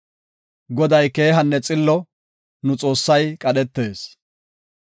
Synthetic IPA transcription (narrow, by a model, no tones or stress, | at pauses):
ɡɔd̪ɐjkeːɦɐnːɛt͡sʼɪlːɔ | nʊt͡sʼo̞ːsːɐjkʼɐɗɛt̪ːe̞ːs